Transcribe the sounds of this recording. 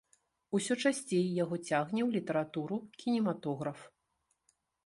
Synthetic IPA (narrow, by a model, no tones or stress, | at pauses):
usʲɔt͡ʂasʲt͡sʲejjaɣɔt͡sʲaɣnʲɛwlʲit̪ɐɾat̪uɾukʲinʲɛmat̪ɔɣɾɐf